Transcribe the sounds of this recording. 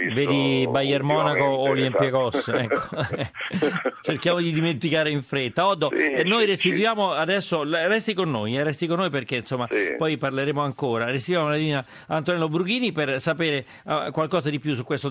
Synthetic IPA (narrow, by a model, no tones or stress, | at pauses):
veːd̪ibajermɔːnakoːljɛmpekɔsɛkːo | t͡ʃerkjaːmod̪id̪iment̪ikaːɾeiɱfɾet̪ːaɔd̪ːonːojrest̪it̪ujaːmoad̪ɛsːorɛst̪ikonːojɛrɛst̪ikonːojperk̟einsomːapɔjparleɾeːmoaŋkoːɾares̬t̪it̪wjaːmolad̪iːna | ant̪onɛlːobɾuɡ̟iːnipersapeːɾe | akwalkɔːzad̪ipjus̬ukːwest̪o